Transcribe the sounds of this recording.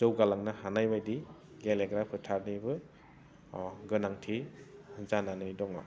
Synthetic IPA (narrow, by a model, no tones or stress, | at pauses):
z̥ɯwɡalaŋnahanajbajdi | ɡeleɡɾapʰɯtʰaɾnibɯ | ɡɯnaŋtʰiɯzananɯjdɔŋɔ̰